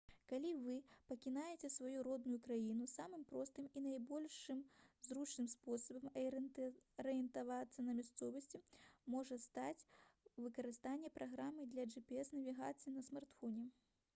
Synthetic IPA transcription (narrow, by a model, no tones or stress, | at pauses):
kalʲivɨpɐkʲinajet͡sʲɛsvajuɾɔd̪̚nʊjukɾajinusamɨmpɾɔst̪ɨminajbɔlʲʂɨmzrut͡ʂnɨmspɔsɐbɐm | ɾɨjɛnt̪avat̪sːɐnɐmʲast̪sɔvɐsʲt͡sʲimɔʐɐst̪at͡sʲvɨkɐɾɨst̪anʲːɛpɾʔaɣɾamɨd̪lʲɐʐɨpʲɛɛsnɐvʲiɣat̪sɨinɐsmart̪fɔnʲɛ